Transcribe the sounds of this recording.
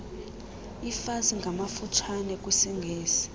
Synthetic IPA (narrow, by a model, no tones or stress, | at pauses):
ifaziŋɡʱamafutʰwanɛk̬ʼwisiŋɡʱeːsi̥